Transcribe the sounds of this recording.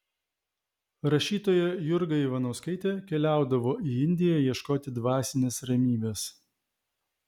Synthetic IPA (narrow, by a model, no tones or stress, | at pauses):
ɾɐʃʲiːt̪oːjɛjʊɾɡɐiʋɐnɐʊskɐɪt̪ʲeːkʲɛlʲæˑʊd̪ɐʋoːʔiːɪnʲd̪ʲɪjɛjiɛʃkoːt̪ʲɪd̪ʋɑːsʲɪnʲesɾɐmʲiːbʲeːs